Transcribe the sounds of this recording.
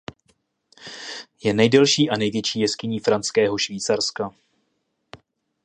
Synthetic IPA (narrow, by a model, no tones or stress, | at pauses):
jɛnɛjdɛlʃiːʔanɛjvjɛt͡ʃiːjɛskɪɲiːfɾant͡skɛːɦo̞ʃviːt͡saɾska